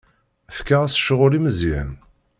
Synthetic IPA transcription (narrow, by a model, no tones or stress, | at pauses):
əfkaʁæsʃəʁʊɾiməzjæ̰n